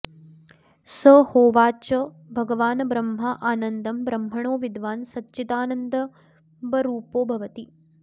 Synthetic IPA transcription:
səhoːʋaːt͡ʃɐ | bʱɐɡɐʋaːnɐbɾɐmɦɐʔaːnɐnd̪ɐmbɾɐmɦɐɳoːʋid̪ʋaːnsɐtːt͡ʃit̪aːnɐnd̪ɐ | bɐɾuːpoːbʱɐʋɐt̪i

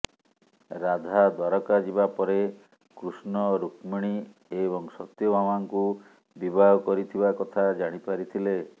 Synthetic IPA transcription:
ɾad̪ʱad̪waɾɔkad͡ʒibapɔɾe | kɾusnɔɾukmiɽ̃i | eβɔŋsɔt̪jɔbʱamaŋku | bibʱaɔkɔɾit̪ʰibakɔt̪ʰad͡ʒaɽ̃ipaɾit̪ʰile

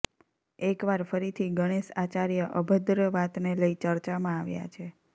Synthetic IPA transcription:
ekʋaɾfəɾit̪ʰiɡəɽ̃eʃat͡ʃaɾjəʔəbʱəd̪ɾəʋat̪neləit͡ʃəɾt͡ʃamãaʋja̰t͡ʃʰe

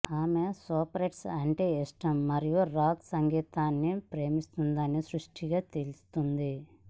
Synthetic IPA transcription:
aːmesoːpɾeʈsɐɳʈiisʈɐmːɐɾijuɾaːksɐŋɡiːt̪aːnːipɾe̞ːmist̪und̪ɐnːisɾuʂʈʰiɡaːt̪e̞lust̪und̪i

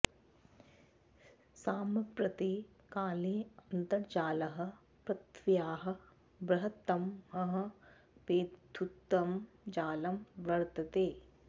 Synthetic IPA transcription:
saːmɐpɾɐt̪i | kaːliːɐnt̪ɐɾd͡ʒaːlɐɦɐ̆ | pɾɐt̪ʋjaːɦɐ̆ | bɾɐɦɐt̪ɐmɐɦɐ̆ | peːut̪ːɐm | d͡ʒaːlɐmʋɐɾt̪ɐt̪eː

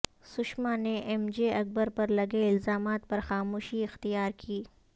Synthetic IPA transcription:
sʊʃmaneʔɛmd͡ʒeɐk̚bəɾpɐɾlɐɡeɪlzaːmaːt̪̚pɐɾxaːmoːʃiɪxt̪ijaːɾkʰiː

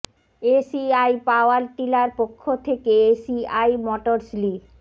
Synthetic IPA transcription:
esiajpaoalt̪ilaɾpokʰːot̪ʰekeesiajmɔʈoɾsli

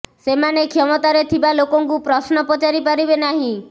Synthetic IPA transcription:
semanekʰɔmɔt̪aɾet̪ʰibalokɔŋkupɾɔsnɔpɔt͡ʃaɾipaɾibenaɦĩ

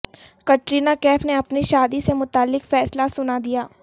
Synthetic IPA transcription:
kɐʈɾiːnakɛːfneɐpniʃaːd̪isemʊt̪aːlːɪkfɛːslasʊnad̪ijaː

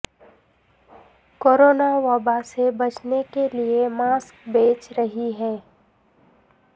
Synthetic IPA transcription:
koːɾoːnaʋaːbasebɐt͡ʃnekeliemaːskbeːt͡ʃɾɐɦiɦɛː

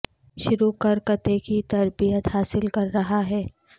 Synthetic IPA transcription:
ʃʊɾukɐɾkɐt̪ekit̪ɐɾbijət̪haːsɪlkɐɾːɐɦaɦɛː

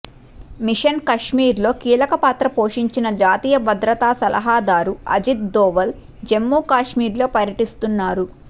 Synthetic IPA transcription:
miʂɐnkɐʂmiːɾlo̞ːkiːlɐkɐpaːt̪ɾɐpo̞ːʂiɲt͡ʃinɐd͡ʒaːt̪iːjɐbɐd̪ɾɐt̪aːsɐlʔɐ̰ɦaːd̪aːɾuɐ̰d͡ʒit̪̚d̪ɔːʋɐl | d͡ʒe̞mːuːkaːʂmiːɾlo̞ːpɐɾjɐʈist̪unːaːɾu

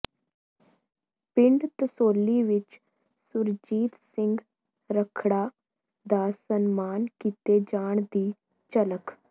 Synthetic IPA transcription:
pɪ̃ɳɖt̪əsoːlːiːʋɪt͡ʃ | sʊɾd͡ʒiːt̪sɪ̃ŋɡ | ɾəkʰɽaː | d̪aːsənmaːnkiːt̪eːd͡ʒaːɳ̃d̪iː | t͡ʃələk

